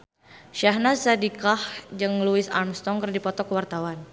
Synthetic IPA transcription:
ʃaɦnasadikahd͡ʒɨŋluɪsa̰rmst̪ɔŋkərdipɔt̪ɔkəwart̪awan

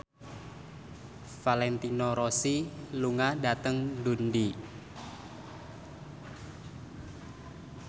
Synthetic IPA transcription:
falɛnt̪inɔɾɔsiluŋadat̪əŋdundi

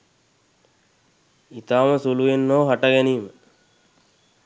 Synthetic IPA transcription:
it̪aːməsuluʋenːoːɦaʈəɡɛniːmə

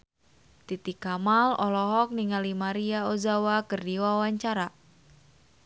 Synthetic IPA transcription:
t̪it̪ikamalɔlɔɦɔk̚niŋalimaɾiaozawakərdiwawaɲt͡ʃaɾa

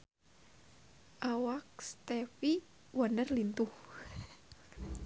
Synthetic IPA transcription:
ʔawak̚st̪ɛfi | wandərlint̪uh

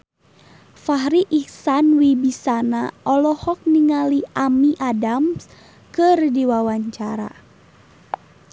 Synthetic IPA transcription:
faɦɾiʔihsanwibisanaʔɔlɔhɔk̚niŋaliʔamiʔadams | kɨrdiwawaɲt͡ʃaɾa̰

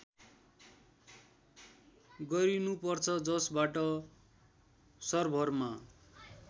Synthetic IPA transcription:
ɡʌɾinupʌrt͡sʰʌd͡zʌsbaʈʌ | sʌrbʱʌrma

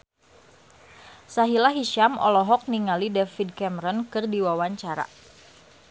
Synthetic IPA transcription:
saɦilaɦiʃamɔ̰lɔɦɔk̚niŋalidɛfid̚kɛməɾɔnkɨrdiwawaɲt͡ʃaɾa̰

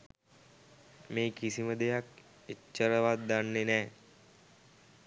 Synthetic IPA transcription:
meːkisiməd̪ejak | et͡ʃːəɾəʋat̪̚ːanːenɛː

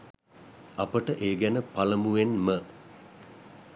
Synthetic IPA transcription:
apəʈəʔeːɡænəpaləmuʋenmə

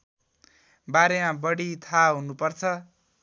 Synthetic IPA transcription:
baɾemãbʌɽit̪ʰaɦunupʌrt͡sʰʌ

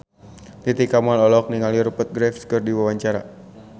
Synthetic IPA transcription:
t̪it̪ikamuanɔlɔk̚niŋaliɾupət̪̚ɡɾɛfskɨrdiwawaɲt͡ʃaɾa̰

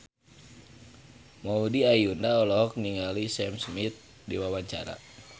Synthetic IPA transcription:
maudiajundaɔlɔɦɔk̚niŋalisɛmsmit̪̚ | diwawaɲt͡ʃa̰ɾa̰

